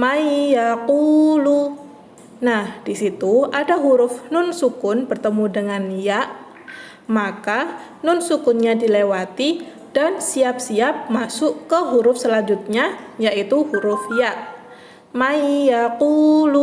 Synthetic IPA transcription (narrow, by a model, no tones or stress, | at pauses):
maijakulu | nahd̥isit̪uadaɦuɾʊfnʊnsukʊnbərt̪əmudəŋanjaʔ | maka | nʊnsukʊnɲadilewat̪i | d̥ansiap̚siap̚masʊʔkəɦuɾʊfsəlaɲd͡ʒut̪̚ɲajaʔit̪uhuɾʊfjaʔ | maijakulu